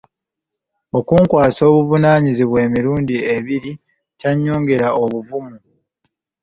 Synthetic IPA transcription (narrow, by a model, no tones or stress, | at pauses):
o̞kuːŋkwaːso̞ːβuvunaɲiziβwe̞ːmiɾuːndie̞βiɾi | caɲːo̞ːŋɡe̞ɾaʔo̞βuvumu